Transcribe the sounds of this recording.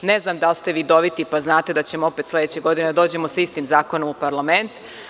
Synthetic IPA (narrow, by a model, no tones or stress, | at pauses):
ne̞znamd̪alst̪e̞ʋiːd̪o̞ʋit̪ipaznaːt̪e̞d̪at͡ɕe̞moope̞t̪sle̞d̪et͡ɕeɡo̞d̪ined̪ad̪o̞ːd͡ʑe̞mo̞saist̪imzaːko̞nomupaɾlˠame̞nt̪